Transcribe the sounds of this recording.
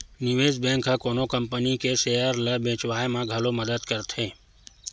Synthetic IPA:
nɪʋeːzbẽːŋkʰːakoːnokəmpənikeseːjəɾləbʱẽːt͡ʃʋaːemãɡʱəloməd̪əd̪kəɾt̪ʰɦẽː

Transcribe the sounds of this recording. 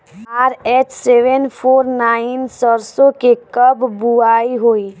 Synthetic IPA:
aːɾeːt͡ʃseʋənpʰoːɾnaːɪnsəɾsõkekəbːuaːiɦoːiː

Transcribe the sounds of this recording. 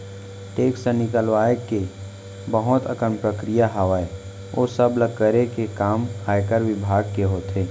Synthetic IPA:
ʈeːksənɪkəlʋaːke | bəɦʊt̪ə̰kəmpɾəkɾijaɦəʋae | o̰ːsəbləɡ̚kəɾekekaːmhaːjkəɾʋɪbʱaːɡ̚keɦoːt̪eː

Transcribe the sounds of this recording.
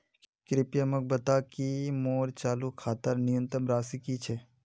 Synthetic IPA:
kɾɪpjəmək̚bət̪akimoːɾt͡ʃaːlukʰaːt̪əɾnɪjə̃nt̪ɾəmɾaːsikit͡ʃʰe

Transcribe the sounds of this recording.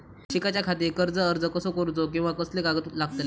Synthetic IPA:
ɕikat͡ɕjakʰat̪̬ekəɾd͡zəːɾd͡zəkəsokoɾd͡zok̬ĩw̃ʋakəsleɡaɡət̪laɡ̚t̪le

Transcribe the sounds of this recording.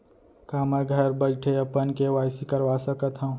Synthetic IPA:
kaːmaɡʱɐɾbəlʈʰeɐpənkeʋaːsikəɾʋaːsɐkət̪ɦɐ̃

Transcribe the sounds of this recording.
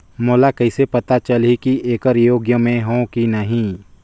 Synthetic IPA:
moːlakɐisepɐt̪at͡ʃɐlikiʔeːkəɾjoːɡjəmẽɦõkinɐɦĩ

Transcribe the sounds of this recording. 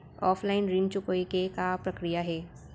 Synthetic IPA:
ɔːfʰlaɪnɾiːnt͡ʃʊkoːikekapɾɐkɾijaɦɛː

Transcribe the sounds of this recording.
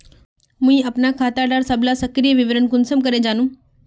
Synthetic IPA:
mũĩɐpnakʰaːt̪aɖaːɾsɐbʱlasɐkɾijəʋɪʋɾənkʊnsəmkɐɾed͡ʑaːnũː

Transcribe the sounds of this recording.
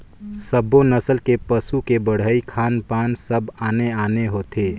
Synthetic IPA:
səbonəsəlkepəsukebəɽ̤əikʰaːnpaːnsəbaːneaːneɦot̪ʰe

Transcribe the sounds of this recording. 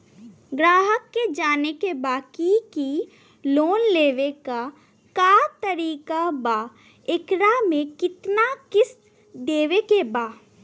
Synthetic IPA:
ɡɾaːɦəkːed͡ʒaːnekebaːkiki | loːnleːʋeka | kaːt̪əɾiːkabaː | ekɾamẽkɪt̪nakɪs | d̪eːʋekebaː

